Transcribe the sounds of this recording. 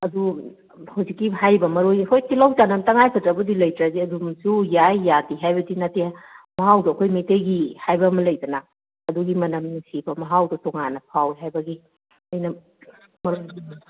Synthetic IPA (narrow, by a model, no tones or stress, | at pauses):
ɐdu | hawzikːiɦajbɐmɐɾojkʰojtilawtanɐmtɐŋajpʰɐtɾɐbɐdilɐjtɾaziɐdumsujajːatiɦajbɐdinatemɐɦawdɐɐkʰojmetejɡihajbɐmɐlɐjdɐna | ɐduɡimɐnɐmnisibɐmɐɦawdɐtɔŋanɐpʰawiɦajbɐɡi | ɐjnɐ | mɐɾojdi